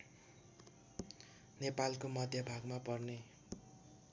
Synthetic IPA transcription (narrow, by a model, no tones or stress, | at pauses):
nepalkomʌd̪ʱjʌbʱaɡmapʌrne